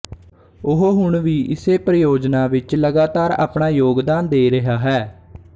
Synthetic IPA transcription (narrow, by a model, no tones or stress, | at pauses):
ʊɦoɦʊɳʋiːʔɪseːpɾəjoːd͡ʒnaːʋɪt͡ʃləɡaːt̪aːɾa̰ːpɳaːjoːɡd̪aːnd̪eːɾəɦaːɦɛː